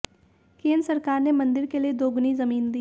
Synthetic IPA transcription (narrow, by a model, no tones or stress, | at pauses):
kẽːnd̪ɾsɐɾkaːɾnemɐ̃nd̪ɪɾkelied̪oːɡnizɐmiːnd̪iː